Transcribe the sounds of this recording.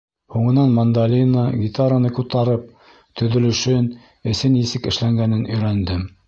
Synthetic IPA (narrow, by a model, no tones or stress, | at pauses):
huɴɤ̆nɑnmɐnd̪alʲinəɡʲit̪aɾanɤkut̪ɑɾɤp̚ | t̪ɵ̆ðɵ̆lɵ̆ʃɵn | ɘ̆sɘnisɘkɘ̆ʃlæŋɡænɘnɵ̆jɾænd̪ɘm